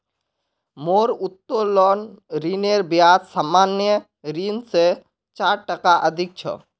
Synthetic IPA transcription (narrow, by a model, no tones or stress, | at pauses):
moɾut̪ːolɔnɾineɾbjat̪samanjə | ɾinse | t͡ʃaɾʈəkaʔəd̪ʱik̚t͡ʃʰɔ̰